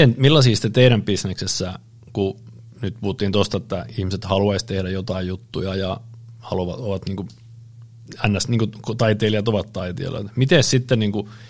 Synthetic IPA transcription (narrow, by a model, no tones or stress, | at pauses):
enmilːɑsiːsi̥t̪ːet̪eiɾæmpisneksesːæ | ku | nyt̪̚puhut̪ːiːnt̪ost̪ɑet̪ːæihmiset̪hɑluɑist̪ehɾæjot̪ɑijjut̪ːujɑjɑ | hɑluʋɑoʋɑt̪niːŋku | ænːæsniːŋkukt̪ɑit̪eːliɑt̪oʋɑt̪t̪ɑit̪ḛːlo̰t̪mit̪essit̪ːenniːŋku